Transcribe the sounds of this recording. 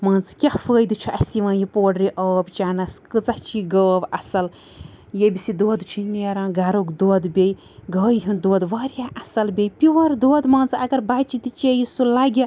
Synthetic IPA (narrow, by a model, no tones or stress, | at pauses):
mɐːnt͡skʲafəːjd̪ɨt͡ʃʰuʔɐsiʋãːjipoːɖɾiʔɐːbt͡ʃaːnɐskɨt͡sɐht͡ʃʰiɡəːbɐsɐl | jebʲisid̪oːd̪t͡ʃʰineːɾãːɡaːɾokd̪oːd̪bʲej | ɡəːjɦund̪oːd̪ʋɐːɾjaʔɐsɐlbʲejpiʋɐɾd̪oːd̪mɐːnt͡sɐɡɐɾbaːt͡ʃit̪it͡ʃejisulaɡʲɐ